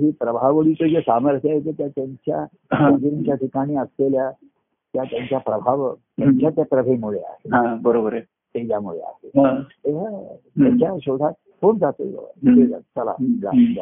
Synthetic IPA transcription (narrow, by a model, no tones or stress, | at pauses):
ɦipɾəbʱaʋəɽit͡səd͡ʑesaməɾt̪ʰjajet̪et̪jat̪jaɲt͡ɕja̰ | ad͡ʑiɾiɲt͡ɕjaʈʰikaɽ̃iːəslelja | t̪jat̪jaɲt͡ɕjapɾəbʱaʋt̪jaɲt͡ɕat̪japɾəbʱemuɭea̰ɦeɦãbəɾobəɾ | t̪ed͡ʑjamuɭḛa̰ɦeɦãt̪eɦat̪jaɲt͡ɕjaɕod̪ʱa | poɳd͡zat̪o̰ə̰ed͡za̰t͡səla̰d͡za̰d͡za̰